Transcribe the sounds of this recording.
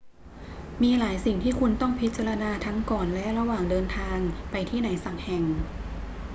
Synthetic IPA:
miː˧laː˩˦jsi˨˩ŋt̪ʰiː˥˩kʰu˧nt̪ɔ˥˩ŋpʰi˦˥t̪̚t͡ɕa˧ɾa˧naː˧t̪ʰa˦˥ŋkɔː˨˩nlɛ˦˥ʔɾa˧waː˨˩ŋdɤː˧nt̪ʰaː˧ŋpa˧jt̪ʰiː˥˩naː˩˦jsa˨˩k̚hɛ˨˩ŋ

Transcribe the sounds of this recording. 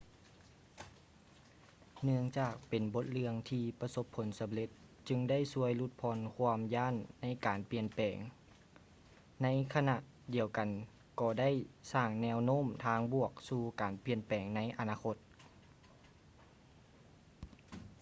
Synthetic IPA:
nɯ˧əŋt͡ɕaː˧˩k̚pe˨˩nbo˧˦˥t̪̚lɯ˧əŋt̪ʰiː˧pa˧so˧˥pʰːo˨˩˦nsa˨˦mle˧˥t̪̚ | t͡ɕɯ˧ŋda˥˨jsu˧˥əjlu˧˥˩t̪̚pʰɔː˧nkʰu˧əmjaː˥˨nːa˧˥jkaː˨npi˧˩ənpɛː˨˩ŋ | na˧˥jkʰa˧na˧ʔ | di˨˩əwka˨n | kɔː˧˩da˥˨jsaː˧˩ŋnɛː˧˥wnoː˧˥˨mt̪ʰaː˧˩ŋbu˧˩ək̚suː˧kaː˨npi˧˩ənpɛː˨˩ŋna˧˥jʔa˨˩naː˧kʰo˧˥t̪̚

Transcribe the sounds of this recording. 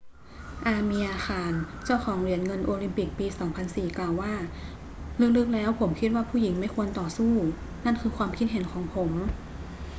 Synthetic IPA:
ʔaː˧miː˧ʔaː˧xaː˧nt͡ɕa˥˩wxʰɔː˩˦ŋɾi˧˩ənŋɤ˧nʔoː˧li˧mpi˨˩k̚piː˧sɔː˩˦ŋpʰa˧nsiː˨˩klaː˨˩wːaː˥˩ | lɯ˧˥˩lɯ˦˥k̚lɛː˦˥wpʰo˩˦mkʰi˦˥t̪̚waː˥˩pʰuː˥˩ji˩˦ŋma˥˩jkʰu˧ənt̪ɔː˨˩suː˥˩ | na˥˩nkʰɯː˧kʰwaː˧mkʰi˦˥t̪̚ɦe˨˩˦nkʰɔː˩˦ŋpʰo˩˦m

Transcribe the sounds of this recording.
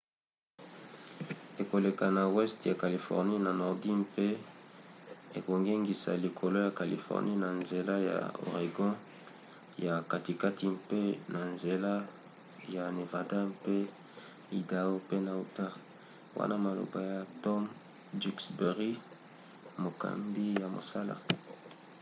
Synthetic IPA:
e˨ko˨le˨ka˨na˨wɛ˦stja˨ka˨li˨fɔ̰˨ʁni˦na˨nɔ˨ʁdi˦mpe˦ | e˨ko˨ŋɡe˦ŋɡi˨sa̰˨li˨kʰo˨lo˦ja˨ka˨lḭ˨fɔ̰ʁni˦na˨nze˨la˦ja̰˨o̰˨ʁe˨ɡɔ̃˦ | ja˨ka˨ti˨ka˦ti˦mpe˦na˨nze˨la˦ | ja˨ne˨va˨da˦mpe˦ | i˨da˦o˦pe˦na˨u˨ta˦ | wa̰˦na˦ma˨lo̰˨ba˨ja˨tɔ˦m | di˦ksbe˨ʁi˦ | mo˨ka̰˨mbi˦ja˨mo̰˨sa˦la̰˨

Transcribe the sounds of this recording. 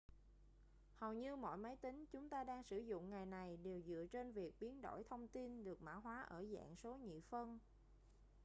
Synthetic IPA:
hə˨˩wɲɨ˧mɔ̰˧˨jmə˨˦jt̪ï˨˦ŋ̟t͡ɕʊ˨˦ŋ͡mt̪aː˧ɗaː˧ŋsɨ˧˩zʊ̰˧˨ŋ͡mŋa˨˩jna˨˩jɗe˨˩wzɨ̰˧˨ət͡ɕe˧nvi˨˩ək̚ɓi˨˦ənɗo̰˧˩jt̪ʰə˧wŋ͡mt̪i˧nɗɨ˨˩ək̚ma̰ː˧˥˩ɦwaː˨˦ʔəː˧˩za̰ː˧˨ŋso˨˦ɲḭ˧˨fə˧n

